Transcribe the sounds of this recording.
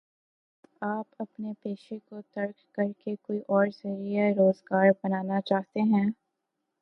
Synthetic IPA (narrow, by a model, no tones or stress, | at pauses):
aːpɐpnepeːʃekot̪ɐɾkkːɐɾkekoːiʔɔːɾzɐɾiaɾoːzɡaːɾbɐnaːnat͡ʃaːɦt̪eɦɛ̃ː